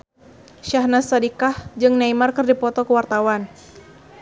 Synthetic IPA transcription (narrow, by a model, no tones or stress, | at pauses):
ʃahnasadikahd͡ʒɨŋnaimarkɨrdipɔt̪ɔkəwart̪awan